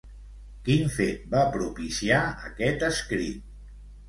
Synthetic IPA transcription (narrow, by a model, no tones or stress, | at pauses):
kinfet̪̚bapɾupisiaə̰kɛt̪əskɾḭt̪̚